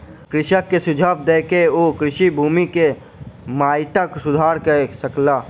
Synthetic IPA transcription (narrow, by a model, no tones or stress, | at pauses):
kɾɪʃəkːesʊd͡ʒʱəb̚d̪eːkeoːkɾɪʃibʱuːmike | maːɪʈəksʊd̪ʱaːɾkəsəklaː